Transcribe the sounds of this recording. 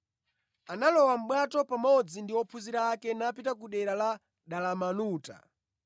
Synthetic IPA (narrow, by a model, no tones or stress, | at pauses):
analɔwam̩ɓwatɔpamɔd͡zindiwɔpʰuziɾaːkɛnapitakuɗɛɾala | ɗalamanuːta̰